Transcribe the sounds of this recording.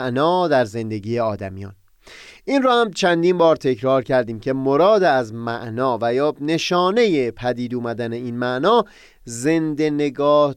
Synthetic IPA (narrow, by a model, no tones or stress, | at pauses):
ʔnɒːd̪æɾze̞nd̪e̞ɡiːjeɒːd̪æmijɒ̰ːn | ʔiːnɾɔːhæmt͡ʃʰænd̪iːnbɒːɾt̪ʰe̞cʰɾɒːɾcʰæɾd̪iːmcʰe̞moɾɒːd̪eæzmæʔnɒːvæjɒːne̞ʃɒːne̞je̞pʰæd̪iːd̪uːmæd̪æne̞iːnmæʔnɒː | ze̞nd̪e̞ne̞ɡɒːh